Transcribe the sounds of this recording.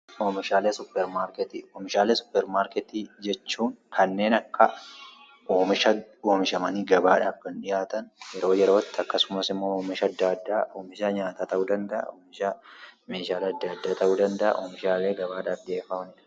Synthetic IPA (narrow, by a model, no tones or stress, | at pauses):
oːmɪʃaːleːsʊpːɛɾmaːɾkɛt̪ioːmɪʃaːleːsʊ̥pːɛɾmaːɾkɛt̪id͡ʒɛt͡ʃːuːŋkʰɐnːe̞ːnɐkːɐ | ʔoːmɪʃɐo̞ːmɪʃɐmɐniɡɐbaːᶑaːfkɐnᶑɪjaːt̪ɐnjɛɾo̞ːjɛɾo̞ːt̪ːɪɐkːɐsʊmɐsɪmːo̞ːoːmɪʃɐɐd̪ːaɐd̪ːaːʔoːmɪʃɐɲaːt̪aːt̪ɐʔuːd̪ɐnd̪ɐʔɐ̰oːmɪʃɐmeːʃaːlɐd̪ːɐd̪ːaːt̪ɐʔuːd̪ɐnd̪ɐʔɐ̰ʔoːmɪʃaːle̞ːɡɐβaːᶑaːfᶑɪeːfɐmɐnɪᶑɐ̥